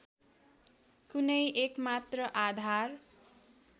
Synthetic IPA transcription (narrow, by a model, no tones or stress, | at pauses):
kunʌjʔekmat̪rʌʔad̪ʱar